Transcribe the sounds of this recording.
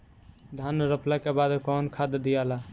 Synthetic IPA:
d̪ʱanɾəplakebad̪kɔnkʰad̪d̪ijala

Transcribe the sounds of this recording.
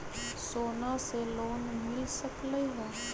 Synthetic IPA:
soːnaseloːnmɪlsəkləiɦɛ̃ː

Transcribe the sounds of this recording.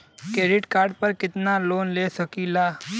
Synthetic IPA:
keːɖɪʈkaːɾɖ̚pɐɾkɪt̪naloːnleːsɐkilaː

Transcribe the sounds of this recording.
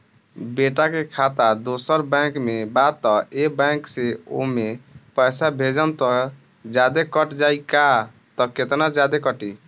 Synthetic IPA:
beʈakekʰat̪ad̪osəɾbə̃kmebat̪ːɔebãkseo̰mepəjsabʱed͡ʒənt̪ɔ | d͡ʒad̪ekəʈd͡ʒaika | t̪ɔket̪nad͡ʒad̪ekəʈi

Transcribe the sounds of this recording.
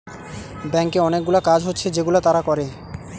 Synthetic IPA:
bɛŋkeɔnek̚ɡulakad͡ʑɦotːɕʰed͡ʑeɡulat̪aɾakɔɾe

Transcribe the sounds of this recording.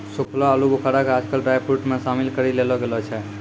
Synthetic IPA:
sukʰlaəlubokʰaɾakead͡ʒkəlʈɾajpʰuʈmesamilkəɾilelɔɡelɔt͡ʃʰɛ

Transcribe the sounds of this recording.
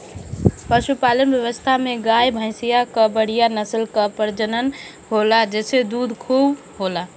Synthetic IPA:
pəʃupalənbjəwəst̪ʰameɡajbʱə̃ɪ̃sijakəbəɽ̤ijanəsəlkəpəɾd͡ʒənən | ɦolad͡ʒesed̪ud̪ʱkʰub | ɦola

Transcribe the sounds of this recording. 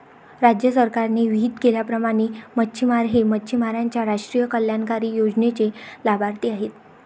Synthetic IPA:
ɾad͡ʑjəsəɾkaɾneʋiːt̪keljapɾəmaɽ̃eməːɕʰimaɾɦeməːt͡ɕʰimaɾaɲt͡ɕjaɾaʂʈɾijəkəljankaɾiːjod͡ʑnet͡ɕelabaɾt̪iːaɦet̪

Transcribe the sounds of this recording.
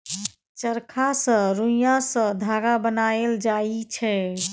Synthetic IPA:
t͡ʃəɾkʰasə̃ɾũjasə̃d̪ʱaɡabənaeld͡ʒait͡ʃʰɛ

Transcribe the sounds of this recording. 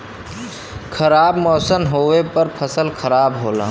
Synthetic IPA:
kʰəɾaːbmɔːsənɦoːʋepəɾpʰəsəlkʰəɾaːbɦoːlã̰ː

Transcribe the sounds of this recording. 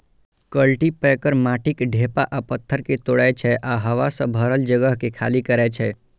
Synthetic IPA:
kəlʈipɛkəɾmaːʈʰɪkɖʱepaʔapət̪ʰːəɾket̪oːɽɛt͡ʃʰɛʔaɦəʋasə̃bʱəɾəld͡ʒəɡəɦkekʰaːlikəɾɛt͡ʃʰɛ

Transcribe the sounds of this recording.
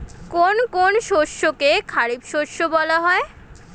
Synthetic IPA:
konkonʃoʃokekʰaɾibʃoʃːobɔlaɦɔe

